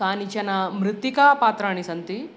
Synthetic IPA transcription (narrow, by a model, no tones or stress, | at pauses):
aːnit͡ɕɐnamɾɨt̪ːikaːpaːt̪ɾaːɳ̃isɐnt̪i